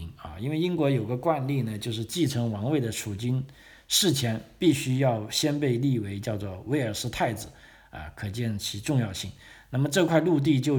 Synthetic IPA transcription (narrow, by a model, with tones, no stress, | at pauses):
ŋɐ̰˥˧i˥nwe˥˩ɪi˥nkwɔ˧˥jo˨˩ʊɡə˦kwa˥˧nli˥˩nə˩t͡ɕjo˥˧ʊʂɻ̩˥˧t͡ɕi˥˩ʈ͡ʂʰɤ˧˥ŋwɑ˧˥ŋwe˥˩ɪd̪ə˩ʂʰu˨˩t͡ɕi˥n | ʂɻ̩˥˩t͡ɕʰjɛ˧˥npi˥˩ɕy˥jɑ˥˩ʊɕjɛ˥npe˥˧ɪli˥˩we˧˥ɪt͡ɕjɑ˥˧ʊt͡swɔ˥˩we˧˥ɪə˞˨˩ʂɹ̩˥˧t̪ʰa˥˩ɪd͡zɹ̩˩˦ | ɐ̰˧kʰɤ˨˩t͡ɕjɛ˥˩nt͡ɕʰi˧˥ʈ͡ʂʊ˥˧ŋjɑ˥˧ʊɕi˥˩ŋna˥˩mə˩ʈ͡ʂɤ˥˧kʰwa˥˧ɪlu˥˧t̪̬i˥˧t͡ɕjo˥˧ʊ